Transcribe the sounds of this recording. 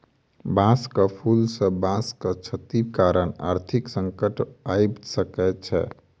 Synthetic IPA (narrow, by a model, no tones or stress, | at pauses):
bãskəpʰulsə̃bãskət͡ʃʰət̪ibkaɾəna̰ɾt̪ʰiksəŋkəʈajbsəkɛt͡ʃʰɛ̰